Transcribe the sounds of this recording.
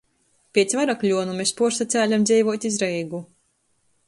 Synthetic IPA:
pʲiɛt̪sʲvaɾaklʲuɔnumespuɔɾsat̪sæːlʲamd̪zʲɛjvuɔt̪ʲizɾɛjɡu

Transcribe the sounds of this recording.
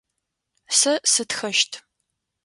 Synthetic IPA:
sɐsɨtxɐʃtʰ

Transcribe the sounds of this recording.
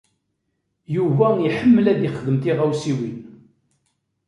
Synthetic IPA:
juvæiħəmːəlæðɪχəðəmt̪iʁæwsiwin

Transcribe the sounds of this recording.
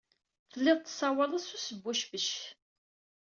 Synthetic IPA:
θəlːɪðˤt̪ːə̥sˤɑwələsusəbːuʃbəʃ

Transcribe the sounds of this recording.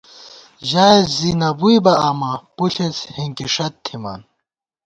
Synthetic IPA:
ʑaːezzinɐbujbɐamɐpuɬʰet͡shiŋkiʂɐt̪ʰːima̰ːn

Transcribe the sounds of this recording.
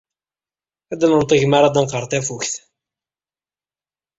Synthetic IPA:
æd̪ælənt̪ˤəʝməɾˤad̪ænqəɾˤθæfuçθ

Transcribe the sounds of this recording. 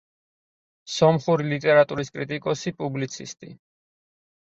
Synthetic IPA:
sɔmχuɾilit̪ʼɛɾat̪ʼuɾiskʼɾit̪ʼikʼɔsipʼublit̪sʰist̪ʼḭ

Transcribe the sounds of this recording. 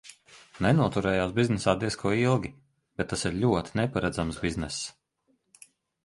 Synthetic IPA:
nɛnuɔt̪uɾɛːjaːsbiznɛsaːd̪iskʰuɔilˠɡʲi | b̥et̪ːasiɾlʲuɔt̪ʲinɛpaɾad̪zamsbiznɛs

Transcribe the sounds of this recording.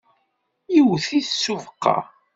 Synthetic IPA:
jiwθiθsːuvəqːɑ̰

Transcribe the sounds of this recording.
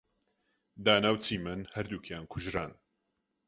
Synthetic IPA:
d̪aːnawt͡sʰiːmɨnhɐɾd̪uːkʰjaːnkʰʊʒɾaːn

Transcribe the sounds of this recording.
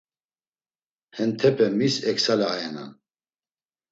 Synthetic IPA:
hɛnt̪ʰɛpʰɛmisɛksalɛajɛna̰n

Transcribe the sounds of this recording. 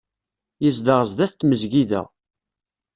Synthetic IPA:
jəzd̪əʁəzd̪æθt̪ːməzʝiðæ̰

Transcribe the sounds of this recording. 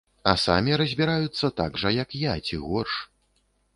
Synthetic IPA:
ɐsa̰mʲiɾɐzʲbʲiɾajut̪sːɐt̪aɡʐɐjɐkjat͡sʲiɣɔrʂ

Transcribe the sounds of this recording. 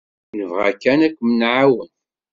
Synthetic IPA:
ləvʁakːænækʷːmnʕawən

